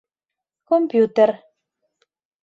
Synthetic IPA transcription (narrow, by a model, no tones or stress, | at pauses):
kompjut̪er